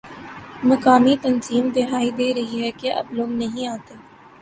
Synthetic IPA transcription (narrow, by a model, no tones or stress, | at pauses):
mɐkaːmit̪ɐnziːmd̪ɪɦaːid̪eːɾɐɦiɦɛkeʔɐ̰bloːɡnɐɦĩaːt̪eː